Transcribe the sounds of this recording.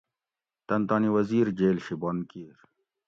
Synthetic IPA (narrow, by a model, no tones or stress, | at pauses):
t̪ɐnt̪ɑːniwɐziːɾd͡ʑeːlɕibonkiɾ